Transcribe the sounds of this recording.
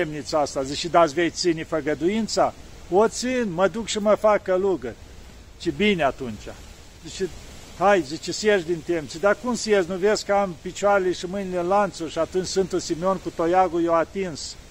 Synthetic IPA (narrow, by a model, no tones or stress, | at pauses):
emnit̪səast̪aziʃid̪asʲvej̪sinʲifəɡəd̪ujint̪sa | ot̪sinməd̪ukʃiməfakəluɡərʲ | t͡ʃibinʲeat̪unt͡ʃʲa | zit͡ʃihajzit͡ʃesjeʒd̪int̪emt͡sid̪akumsjeznuveskəampit͡ʃuaɾeleʃimɨnilʲenlant̪suɾʃiat̪unʲt͡ʃʲsɨnt̪usimeonkut̪ojaɡujewat̪ins